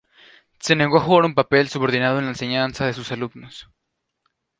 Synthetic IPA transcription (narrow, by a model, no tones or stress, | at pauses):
se̞ne̞ɣo̞axuɣaɾumpape̞lsuβo̞ɾðinaðoenlaense̞ɲansaðe̞susalubnos